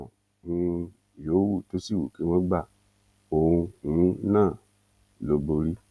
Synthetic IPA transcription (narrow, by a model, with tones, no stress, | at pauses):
ũ˧˦ | jo˨˦wu˦˨to˨˦si˦˨wṵ˨ki˨˦w̃ɔ̃˦ɡ͡ba˦˨ | o˨ũ˧ũ˨˦nãː˦˨ | lo˨˦bo˧ɾi˦